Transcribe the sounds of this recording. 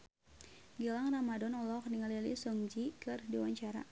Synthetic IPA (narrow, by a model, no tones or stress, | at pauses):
ɡəlaŋramadɔnɔlɔkniŋalilisɔŋd͡ʒikɨrdiwaɲt͡ʃaɾa̰